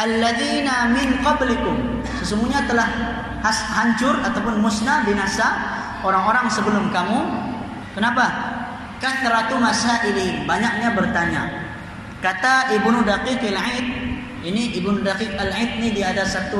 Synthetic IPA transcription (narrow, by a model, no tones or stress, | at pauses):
ʔalːaðiːnamɪnqɔblɪkʊm | səsuŋɡuɲat̪əlah | ɦaɲt͡ʃʊrat̪awpʊnmʊsnabinasa | oɾaŋoɾaŋsəbəlʊmkamu | kənapa | kant̪əɾat̪umasaʔinibaɲak̚ɲabərt̪aɲa̰ | kat̪aʔɪbnudaqikalʕit̪̚ | iniʔɪbnudaqik̚alʕit̪̚nidiat̪asat̪u